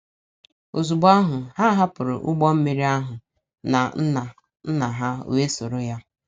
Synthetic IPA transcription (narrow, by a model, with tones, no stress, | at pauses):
o˨zu˨ɡ͡ba˦ɦʊ˨ha˦ɦa˦pʊ˨ɾʊ̰˨ʔʊ˦ɡ͡bɔ˦m̩˦me˨ɾi˦a˦ɦʊ˨ | na˨n̩˦na˨ | n̩˦na˨ɦa˦˨we˦so˨ɾʊ˦ja˦